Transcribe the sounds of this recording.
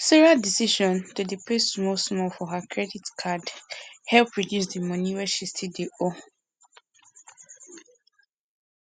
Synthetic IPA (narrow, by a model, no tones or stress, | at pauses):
siɹadisiʃɔ̃ntudipʰessmɔlsmɔlfɔɦakʰɹɛditkʰadhɛlpʰɹɔdjus̬dimʌ̃niwɛʃistʰideʔo